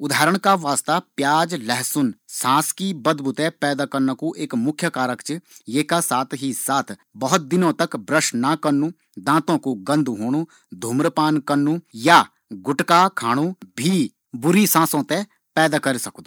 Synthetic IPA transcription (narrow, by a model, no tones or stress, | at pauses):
ʊd̪ʱaːɾəɳ̃kaːʋaːst̪aːpjaːd͡ʒlɛɦsʊnsãːskiːbəd̪bʱʊt̪ɛ̃ːpɛːd̪aːkəɾnəkuːʔɪkmʊkʰjəkaːɾəkt͡ʃjeːkaːsaːt̪ʰɦiːsaːt̪ʰbəɦʊt̪̚d̪ɪnõːt̪əkbɾəʃnakəɾnũː | d̪ãːt̪õːkuɡə̃nd̪uɦoːɽ̃ũː | d̪ʱuːmɾəpaːnkəɾnũːjaː | ɡʊʈkaːkʰaːɽ̃ũːbʱiː | bʊɾiːsãːsõːt̪ẽː | pɛːd̪aːkəɾsəkd̪o